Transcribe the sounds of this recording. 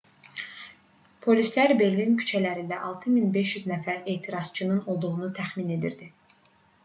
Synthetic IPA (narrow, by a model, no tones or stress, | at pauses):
pʰo̞lislæɾbe̞ɾlincʰy̥t͡ʃʰælæɾind̪æʔɑlˠt̪ʰɯminbe̞ʃjyznæfæɾe̞ːt̪ʰiɾɑz̥t͡ʃʰɯnɯno̞lˠd̪uʁunut̪ʰæχmine̞d̪ḭɾd̪i